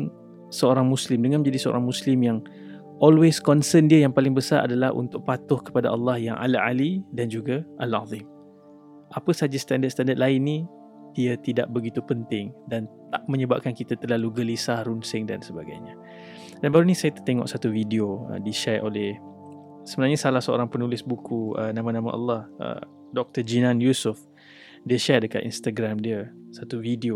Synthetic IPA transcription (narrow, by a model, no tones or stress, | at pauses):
səoɾaŋmuslɪmdəŋanmə̃ɲd͡ʒadisəo̰ɾaŋmuslɪmjaŋ | ʔɔlweskɔnsəndiajaŋpalɪŋbəsaɾʔa̰dalahṵnt̪ʊk̚pat̪ʊhkə̥padaʔɑlːɑhjaŋʔa̰laʔalidand͡ʒuɡaʔala̰ðim | ʔapəsad͡ʒast̪andət̪st̪andət̪̚laɪnːĩ | d̥iat̪ida̰ʔbəɡit̪upənt̪ɪŋdant̪aʔmə̃ɲəbap̚kankit̪at̪ərlaluɡəlisahɾunsɪŋda̰nsəbaɡa̰jɲə | d̥anbaɾunisajət̪ərt̪eŋɔ̰ʔsat̪uvidioə̰diʃɛrʔolɛh | səbənarɲasalahsəo̰ɾaŋpənulɪsbukuənãmãnãma̰ʔɑ̰lːɑhə̰ | dɔk̚t̪əd͡ʒinãnjusʊf | diəʃɛradəkat̪ḭnst̪aɡɾamdiəsat̪uvidio